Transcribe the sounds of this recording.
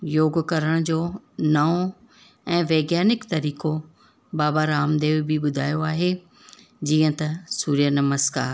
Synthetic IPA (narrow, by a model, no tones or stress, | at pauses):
joːɡkɐɾəɽ̃d͡ʑoː | nɐo | ɛ̃ːʋeːɡjaːnɪkt̪ɐɾiːko | baːbaɾaːmd̪eːʋbʱiɓʊd̪ʱaːjoaːɦe | d͡ʑiːə̃t̪ɐsuːɾijənɐməska̰ːɾ